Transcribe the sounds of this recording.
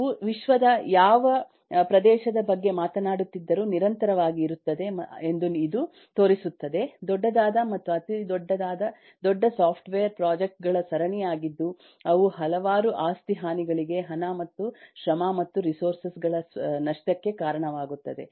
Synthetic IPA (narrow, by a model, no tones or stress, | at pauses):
uʋiʃʋɐd̪ɐjaːʋɐ | pɾɐd̪ɛːʃɐd̪ɐbɐɡːe̞maːt̪ɐnaːɽut̪ːid̪ːɐɾuːniɾɐnt̪ɐɾɐʋaːɡiːɾut̪ːɐd̪e̞end̪uid̪u | t̪o̞ːɾisut̪ːɐd̪e̞d̪ɔɖːɐd̪aːd̪ɐmɐt̪ːuɐt̪id̪ɔɖːɐd̪aːd̪ɐ | d̪ɔɖːɐsaːpʰʈʋejɐɾpɾaːd͡ʒek̚ʈ̚ɡɐɭɐsɐɾɐɳijaːɡid̪ːu | ɐʋuɦɐlɐʋaːɾuʔaːst̪iɦaːniɡɐɭiɡe̞ɦɐnamɐt̪ːuʃɾɐmaːmɐt̪ːuɾisoːɾsɐsɡɐɭɐnɐʂʈɐkːe̞kaːɾɐɳɐʋaːɡut̪ːɐd̪e̞